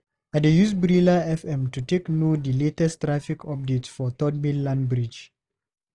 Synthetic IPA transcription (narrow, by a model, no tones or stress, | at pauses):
adejusbɹilaɛfɛ̃mtuteknodiletɛstɹafikʰɔp̚detsfɔt̪ɔd̚millãnbɹid͡ʒ